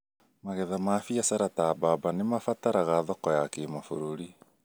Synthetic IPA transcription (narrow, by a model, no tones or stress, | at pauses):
maɣɛðamafiasaɾatababanemafataɾaɣaðɔkɔjakemafoɾoɾi